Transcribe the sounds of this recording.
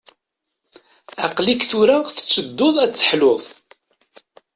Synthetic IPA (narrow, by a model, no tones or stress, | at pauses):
ɑqlikθʊɾæθə̥t͡sːəd̪ːoðˤæt͡sθə̥ħloðˤ